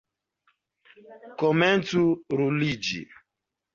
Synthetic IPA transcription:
kɔmɛ̃ntuɾulid͡ʒḭ

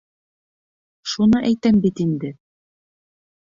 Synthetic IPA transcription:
ʃunɤʔæjt̪æmbit̪ind̪ɘ

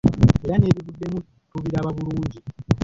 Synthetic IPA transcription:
e̞ɾane̞ːβiβudːe̞mu | tuβiɾaβaβuluːɲɟi

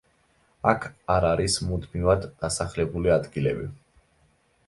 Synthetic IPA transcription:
akʰaɾaɾismud̪mivad̪ːasaχlɛbuliad̪ɡilɛbi

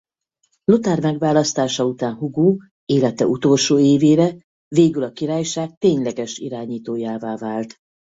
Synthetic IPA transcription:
lot̪aːrmɛɡvaːlɒst̪aːʃɒut̪aːnhuɡoː | eːlɛt̪ɛut̪o̞lʃoːeːveːɾɛ | veːɡylɒkiɾaːjʃaːk̚t̪eːɲlɛɡɛʃḭɾaːɲiːt̪oːjaːvaːvaːlt̪

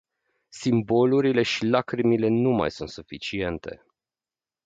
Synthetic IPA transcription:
simbo̞luɾile̞ʃilakɾimile̞numa̰jsunt̪sufit͡ʃie̞nt̪e̞̰

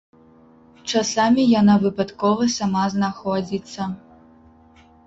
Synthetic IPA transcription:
t͡ʂasamʲijanavɨpat̪kɔvɐsʲamaznaxɔd͡zʲit̪sːɐ

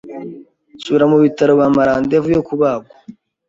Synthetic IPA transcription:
suβiɾamuβitaɾo̞βamaɾaːndevujokuβaːɡo

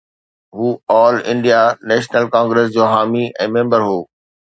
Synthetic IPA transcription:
ɦuːɔːlɪ̰̃ɳɖijanɛːʃnəlkãːŋɡɾeːs̬d͡ʑoːɦaːmiɛ̃ːmẽːmbəɾɦoː

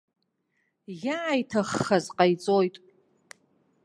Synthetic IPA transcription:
jajtʰaχːazqʼajt͡sʼojtʼ

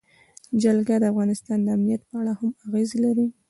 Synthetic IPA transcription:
d͡ʒalɡad̪əafɣɑnɪst̪ɑnd̪əamnijat̪̚pəaɽahamaɣezelaɾi

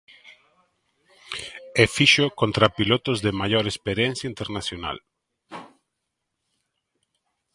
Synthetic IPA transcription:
efiʃokont̪ɾapilot̪ozðemajoɾespeɾjɛnθjaint̪eɾnasjona̰l

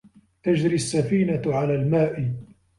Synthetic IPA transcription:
t̪ad͡ʒɾiasːafiːnaʕalaːlmaːʔɪ

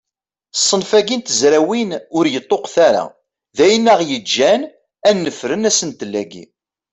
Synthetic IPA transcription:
sˤːənfæɡint̪əzɾæwinʊɾjət̪ˤːoqθaɾa̰ | ðæjnːæʁjəd͡ʒːæn | ænːəfɾənæsənt̪əlːæɡḭ

